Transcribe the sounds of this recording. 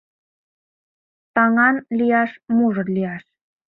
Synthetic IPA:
t̪ɑŋɑnlʲijɑʃmuʐɤ̆lʲijɑʃ

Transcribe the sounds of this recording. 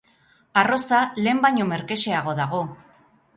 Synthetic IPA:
aro̞sale̞ːmbajɲo̞me̞ɾke̞se̞aɣ̞o̞ðaɣ̞o̞

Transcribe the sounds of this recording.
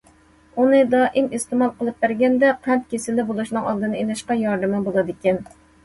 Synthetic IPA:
unɪd̪ɑːʔɪmɨst̪ɪmɑlˠqəlˠɨp̚bæɾɡʲɛnd̪ɛqʰænt̪̚kʲesɪlɪbolˠuʃnɨŋɑlˠd̪ɨnɪenɛʃqɑjɑɾd̪ɪmɪbolˠɨd̪ɪkʲɛn

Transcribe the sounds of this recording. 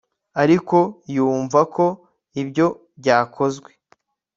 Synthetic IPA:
aɾiko̞juːɱvakʰo̞ | ibɟo̞ | bɟaːkʰo̞zɡwe̞

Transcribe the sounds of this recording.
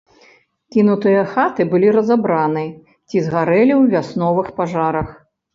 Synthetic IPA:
kʲinut̪ɨjɐxat̪ɨbɨlʲiɾɐzabɾanɨ | t͡sʲizɣaɾɛlʲiwvʲasnɔvɨxpaʐaɾɐx

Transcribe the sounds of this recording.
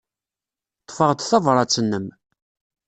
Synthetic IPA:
t̪ˤːfəʁt̪θɑvɾˤɑt͡sːənːəm

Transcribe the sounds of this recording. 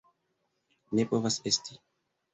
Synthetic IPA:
nɛpovasɛst̪ʰi̥

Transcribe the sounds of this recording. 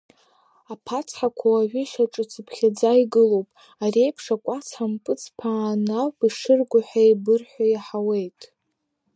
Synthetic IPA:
apʰat͡sʰħakʷʰawaʕʷᶣʏʃaʈ͡ʂʼɨt͡sʰɨpʰχʲad͡zaiɡɨlowpʼ | arejpʰʂakʷʼat͡sʰħampʼɨt͡sʰpʰaːnapʼiʂɨrɡʷʊħʷajbɨrħʷajaħawe̞jtʼ

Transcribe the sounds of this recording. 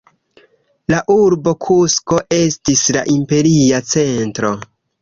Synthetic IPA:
laʔuɾbo̞kʰusko̞ʔe̞stisla̰ʔimpe̞ɾiat͡se̞ntɾo̞

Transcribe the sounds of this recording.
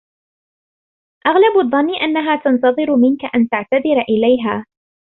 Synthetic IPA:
ʔaɣlabaðˤːɑnːɪʔanːaɦaːt̪ɑnt̪ɑðˤɨɾʊmɪnkaʔant̪aʕt̪aðɪɾʔɪlajɦaː

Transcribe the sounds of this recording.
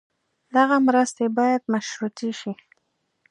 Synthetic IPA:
d̪aɣamɾəst̪ebɑjad̪maʃɾut̪iʃi

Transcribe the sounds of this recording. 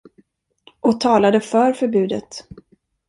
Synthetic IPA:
ʔɔt̪ʰɑːlad̪əfœɾfœɾbʉ̟ːd̪ət̪

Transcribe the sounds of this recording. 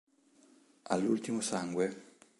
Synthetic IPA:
a̰lːult̪imosaŋɡwe

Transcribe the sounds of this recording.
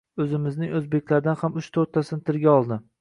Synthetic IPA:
ɵzɪmɪznɪŋɵzbe̞kʲlaɾd̪anhamʊʃt̪ʰoɾt̪ʰasɪnɪt̪ʰɪɾɡʲaɒlˠd̪ɪ

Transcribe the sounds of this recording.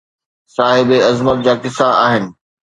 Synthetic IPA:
saːɦɪbeɐzmət̪̚d͡ʑaːkɪsaa̰ːɦɪnɪ̆

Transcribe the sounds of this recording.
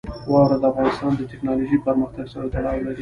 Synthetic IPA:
wɑwɾad̪əafɣɑnɪst̪ɑnd̪ət̪ɪknɑloʒipəɾməxt̪aɡsəwot̪aɽɑwlaɾi

